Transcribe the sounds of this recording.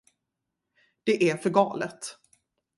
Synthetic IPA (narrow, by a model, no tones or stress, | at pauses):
d̪̥ɛʔæɾfœɾɡɑːlət̪